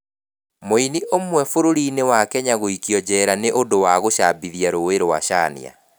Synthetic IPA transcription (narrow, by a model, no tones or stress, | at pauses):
moiniʔomwɛfoɾoɾiːnewakɛɲaɣoikjɔd͡ʑɛːɾaneʔodowaɣoʃaːbiðiaɾoweɾowa̰ʃanḭa̰